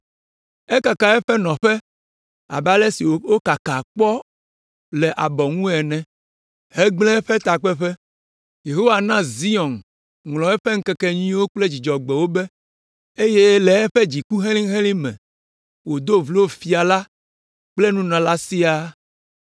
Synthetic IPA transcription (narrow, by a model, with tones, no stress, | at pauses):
ɛ˦ka˨ka˨ɛ˦ɸɛ˦nɔ̃˨ɸɛ˦ | a̰˨ba˦lɛ˦si˨o˦wo˦ka˨ka˨k͡pɔ˦ | lɛ˨ʔa˨bɔ˨ŋũ˦ɛ˨nɛ̃˨ | hɛ˦ɡ͡blɛ̃˦ɛ˦ɸɛ˦t̪a˨k͡pɛ˦ɸɛ˦ | je˨ɦo˦wa˨nã˦zi˦ɔ˨n | ŋlɔ̃˨ɛ˦ɸɛ˦ŋ̩˦kɛ˦kɛ˦ɲĩ˦wo˦k͡ple˦d͡ʑi˨d͡ʒɔ˨ɡ͡bɛ˨wo˦bɛ˦ | e˦je˦lɛ˨ɛ˦ɸe˦d͡ʑi˨ku˦ɦe˦lĩ˦ŋɦẽ˦lĩ˦mɛ̰̃˨ | wo˨d̪o˦vle˦wo˦fi˨a˨la˦ | k͡ple˦nũ˦nã˨la˦si˦a˦